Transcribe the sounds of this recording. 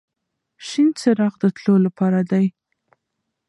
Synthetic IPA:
ʃint͡səɾɑɣd̪ət̪lolapɑɾad̪aj

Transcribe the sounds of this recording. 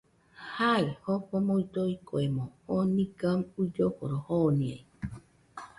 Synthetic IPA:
haihopomoit̪oikoemõhonĩkamud͡ʒokoɾohonĩḛi

